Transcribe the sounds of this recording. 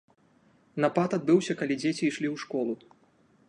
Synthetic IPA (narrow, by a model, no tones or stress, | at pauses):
nɐpat̪ad̪̚bɨwsʲɐkalʲid͡zʲet͡sʲiːʂlʲiwʂkɔlˠu